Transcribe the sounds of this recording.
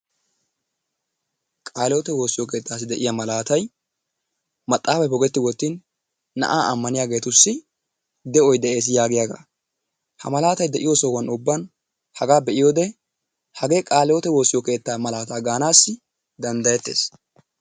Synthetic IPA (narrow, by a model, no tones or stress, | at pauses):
kʼaːlɛjɔt̪ɛwo̞ːsːɪjɔke̞ːt̪ːaːs̬ɪd̪ɛʔɪjɐmɐlaːt̪ɐj | mɐt̪ʼːaːfɐbɔɡɛt̪ːɪwɔt̪ːiːnː | ɐ̰ʔaːʔɐmːɐnɪjaːɡe̞ːt̪ʊsːɪ | d̪ɛɔjd̪ɛʔe̞ːs̬jaːɡɪjaɡa̰ | hɐ̰mɐlaːt̪ɐjd̪ɛʔɪjɔsɔwɐnʊbːɐn | hɐɡaːbɛʔɪjoːd̪ɛ | hɐɡe̞ːkʼaːlɛjɔt̪ɛwo̞ːsːɪjɔke̞ːt̪ːaːmɐlaːt̪aːɡaːnaːsːɪ | d̪ɐnd̪ɐjɛt̪ːe̞̰ːs